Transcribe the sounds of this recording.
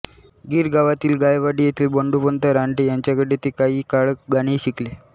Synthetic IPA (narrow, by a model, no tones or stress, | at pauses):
ɡiːɾɡaʋat̪iːlɡajʋaɽiːjet̪ʰiːlboɳɖupənt̪əɾaɳʈejaɲt͡ɕjakəɽet̪ekaiːkaɭəɡaɽ̃iːɕikle